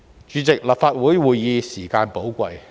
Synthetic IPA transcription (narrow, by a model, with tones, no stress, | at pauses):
t͡ʃyː˨˧˥t͡sɪ˨k̚lɐ˨˩p̚faː˧t̚wu˨˥jwuː˨jːiː˨˧siː˨˩kaː˧npo˨˥wkʷɐ̰˧j